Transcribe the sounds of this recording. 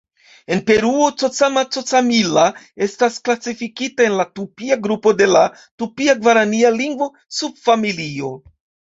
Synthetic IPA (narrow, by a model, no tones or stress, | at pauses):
e̞npe̞ɾuo̞t͡sot͡samat͡so̞t͡samila | e̞stasklasifikitae̞nlatupiaɡɾupo̞de̞la | tupiaɡvaɾanialiŋɡvo̞ | sub̚familio̞